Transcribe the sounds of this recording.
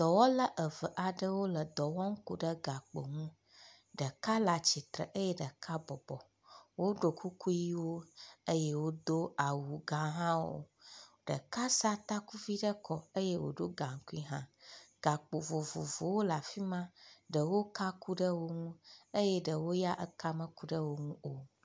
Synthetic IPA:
d̪̥ɔ˨wɔ˦lə˦ʔə˨və˨ʔa˨ɖə˦wo˦lə˨d̪ɔ˨wɔ˦ŋ̩˦ku˦ɖə˦ɡa˨k͡po˨ŋũ˦ | ɖə˨ka˦la˨t͡ɕi˨t̪ɾə̰˨ʔə˦jɛ˦ɖə˨ka˦bɔ˨bɔ˨ | wo˦ɖo˨kʰu˦ku˦ji˦wo˦ə˦jɛ˦wo˦d̪o˦a˨wu˨ɡã˨ɦã˦wo̰˦ɖə̰˨ka˦sa˦t̪a˦ku˦vi˦ɖə˦kʰɔ˨ə˦je˦wo̰˨ɖo˦ɡã˨ŋ̩˨ku˦i˦ɦã̰˦ɡ̥a˨k͡po˨vo˨vo˨vo˨wo˦la˨fi˦mã˦ɖə˨wo˦ka˦ku˦ɖə˦wo˦ŋũ˦ə˦jɛ˦ɖə˨wo˦ja˦ʔə˦ka˦mə̃˦ku˦ɖə˦wo˦ŋũ˦o˨

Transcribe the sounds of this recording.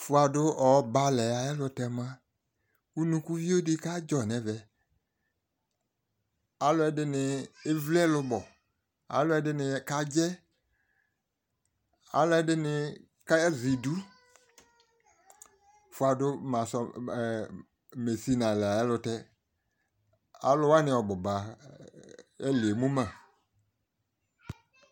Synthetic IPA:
fʊ˨a˨dʊ˦ɔ˨˦ba˧lɛ˨a˨ɛ˦lʊ˧tɛ˧mã˦ | u˦nũ˧ku˦vi˦o˦di˦ka˦d͡ʒɔ˨nɛ˨vɛ˨ | a˨˦lʊ˦ɛ˨dɪ˦nɪ˧ɪ˦vlɛ˦lʊ˧bɔ˨ | a̰˨˦lʊ˦ɛ˧˦dɪ˦nɪ˧ka˦d͡ʒɛ˦ | a̰˦lʊ˦ɛ˦dɪ˦nɪ˨ | ka˦ɛ˦zɪ˨du˦ | fʊ˨a˨dʊ˦mã˨sɔ˨ | me˨si˦nã˨la˨ja˦lʊ˧tɛ˦ | a̰˦lʊ˦wa˦nɪ̃˦ɔ˨bɔ˨ba˨ | ɛ˦lɪ˨e˨mũ˦mã˨

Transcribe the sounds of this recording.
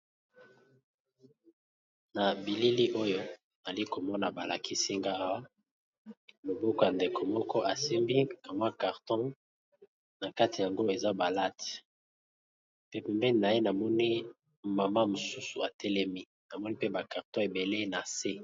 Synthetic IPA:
na˨bi˨li˦li˦ʔo˦jo˦ | na˨li˦ko˨mɔ˦na˨ba˨la̰˨kʰi˦si˦ŋɡa˦a˦wa˦ | mo˨bɔ˦kɔ˨ja˨nde˨ko˨mɔ˦kɔ˦ʔa˨si˦mbi˦a˨mwa˦ka˨ʁtɔ̃˦ | na˨ka˦ti˨ja˨ŋɡo˦e˨za˦ba˨la˦t | pe˦pe˨mbɛ˦ni˨na˨je˦na˨mɔ˦ni˦ | ma˨ma˦mo˨su˦su˨a˨tʰɛ˦lɛ˦mi˦ | na˨mɔ˦ni˦pe˦ba˨ka˨ʁtɔ̃˦e˨be˨le˦na˨se˦

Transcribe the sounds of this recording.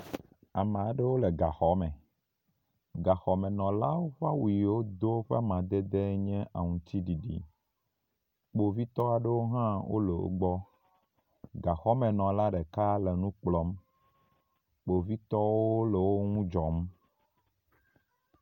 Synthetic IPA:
a˨mẽ˨a˨ɖe˦wo˦le˨ɡa˨xɔ˨˦mɛ̃˨ | ɡa˨xɔ˨mɛ̃˨nɔ̃˨la˦wo˦ɸa˦wu˨i˨wo˦d̪o˦ɸe˦mã˨d̪e˦d̪e˦ɲɛ̃˦ʔa˨ŋũ˨t͡ɕ̪i˦ɖi˨ɖḭ˨ | k͡po˨vi˦t̪ɔ˦a˨ɖe˦wo˦ɦã˦wo̰˦le˨wo̰˦ɡ͡bɔ˦ | ɡa˨xɔ˦mɛ̃˨nɔ̃˨la˦ɖe˨ka˦le˨nũ˦k͡plɔ˦m | k͡po˨vi˦t̪ɔ˦wo˦o˦le˨wo˦ŋũ˦d͡ʒɔ˨m

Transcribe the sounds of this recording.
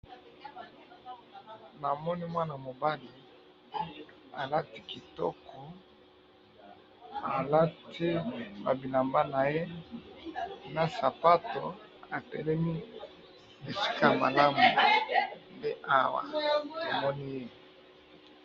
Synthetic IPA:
na˨mɔ˦ni˦mwa˦na˨mo˨ba˦li˨ | a˨la˦ti̥˦ki˨tɔ̰˦kʰɔ˨ | a˨la˦tʰi˦ba˨bi˨la˨mba˦na˨je˦ | na˨sa˨pa˦to˨ | a˨tɛ̰˨lɛ˦mi˦ | e˨si̥˦ka˦ma̰˨la˦mu˨u˨mbe˦ʔa˦wa̰˨a˨mɔ˦ni˦je˦

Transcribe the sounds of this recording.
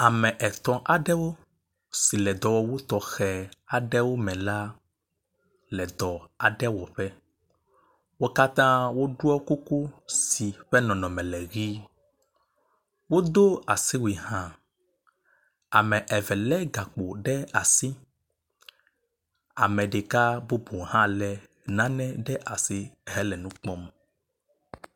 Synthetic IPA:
a˨mɛ̃˨ʔɛ˨t̪ɔ̃˨ʔa˨ɖɛ˦wo˦ | si˨lɛ˨d̪ɔ˨wɔ˦wo˦t̪ɔ˨xɛ˨a˨ɖɛ˦wo˦mɛ̃˨la˦ | lɛ˨d̪ɔ˨a˨ɖɛ˦wɔ˨ɸɛ˦ | wo˦ka˦t̪ã˦wo˦ɖu˦ɔ˦ku˦ku˦si˨ɸɛ˦nɔ̃˨nɔ̃˨mɛ̃˨lɛ˨ɣi˦ | wo˦d̪o˦a˨si˦wi˨ɦã˦ | a˨mɛ̃˨ʔɛ˨vɛ˨lɛ˦ɡa˨k͡po˨ɖɛ˦a˨si˦ | a˨mɛ̃˨ɖe˨ka˦bu˦bo˨ɦã˦lɛ˨ | nã˦nɛ̃˦ɖɛ˦ʔa˨si˦ɦɛ˦lɛ˨nũ˦k͡pɔ˦m

